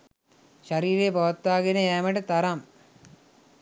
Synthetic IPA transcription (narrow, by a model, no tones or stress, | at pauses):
ɕɐɾiːɾeːpɐʋɐt̪ːaːɣinɐeːmɐʈɐt̪ɐɾaːm